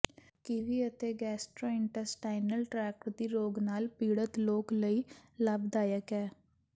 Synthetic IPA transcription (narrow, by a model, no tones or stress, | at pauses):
kɪʋiːət̪eːɡɛːsʈɾoːɪɳʈəɾsʈaːɪnəlʈɾɛːkɾd̪iːɾoːɡnaːlpiːɽət̪loːkləiːləbd̪aːjəkɛː